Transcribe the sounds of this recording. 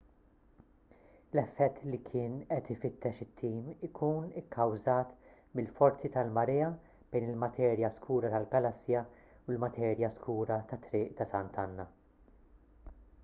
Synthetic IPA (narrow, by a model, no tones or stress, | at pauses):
lɛfːɛt̪ːlikʰɪːnɛt̪ɪfɪt̪ʰːɛʃɪt̪ʰːiːmɪkʰuːnɪkʰːɐwzɐːt̪ | mɪlfɔɾt͡sit̪ɐlmɐɾɛːɐ | b̥ɛjnɪlmɐt̪ʰɛːɾjɐskʰuːɾɐt̪ɐlɡɐlɐsːjɐ | ʊlmɐt̪ʰɛːɾjɐskʰuːɾɐt̪ɐt̪ːɾɪːʔt̪ɐsɐnt̪ʰɐnːɐ